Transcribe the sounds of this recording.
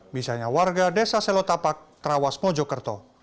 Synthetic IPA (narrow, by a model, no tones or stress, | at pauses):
misaɲawarɡadɛsasɛlɔt̪apak̚t̪ɾawasmɔd͡ʒɔkərt̪ɔ